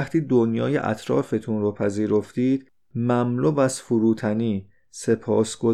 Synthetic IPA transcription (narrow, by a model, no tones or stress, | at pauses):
χt̪ʰiːd̪onjɒ̰ːjḛʔæ̰t̪ʰɾɒ̰ːfe̞t̪ʰunɾopʰæziːɾo̞ft̪iːd̪̥ | mæmluːbæzfuɾuːt̪ʰæniː | se̞pʰɒːsɡ̥o